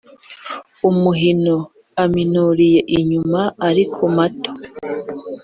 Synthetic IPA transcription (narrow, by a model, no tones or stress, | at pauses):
umuɦino | aminuɾije̞ʔiɲumaaɾikʰomato̥